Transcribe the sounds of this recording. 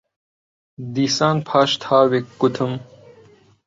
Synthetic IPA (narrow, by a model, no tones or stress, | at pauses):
d̪iːsaːnpʰaːɕt̪ʰaːwekːut̪ʰum